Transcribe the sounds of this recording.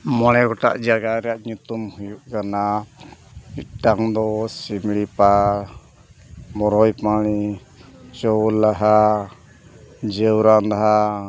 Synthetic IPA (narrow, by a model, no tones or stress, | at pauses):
mɔɽɛɡɔʈa̰ʔd͡ʒaɡaɾɛaʔɲut̪umhujuʔkana | iʈaŋd̪ɔsimiɭipa | mɔɾɔjpaɽi | t͡ʃɔulaɦa | d͡ʒəwɾand̪aɦa